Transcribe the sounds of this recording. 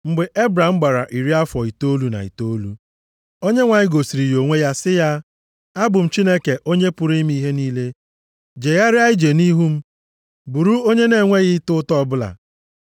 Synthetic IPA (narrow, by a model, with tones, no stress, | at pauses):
ŋ͡m̩˦ɡ͡be˨ʔe˦bɾa˨m̩˦ɡ͡ba˨ɾa̰˨ʔi˨ɾi˦a˦fɔ˨i˨to˦lu˨˦na̰˨ḭ˨to˦lu˦ | o˦ɲe˦ŋʷa˨ɲɪ˦ɡo˨si˨ɾi˨jo˨ŋʷe˦ja˦sɪ˦ja˦ | a˦bʊ˨m̩˨t͡ʃi˦ne˦ke˨ʔo˦ɲe˦pʊ˨ɾi˦m̩˦i˦ɦe˦niː˦le˦ | d͡ʒe˨ɣa˦ɾɪ˦a˦ɪ˦d͡ʒe˨ni˦ɦu˦m̩˦ | bu˨ɾu˦o˦ɲe˦ne˨ŋʷe˦ɣɪ˦tʊ˦tɔ˦˨bʊ˦la̰˨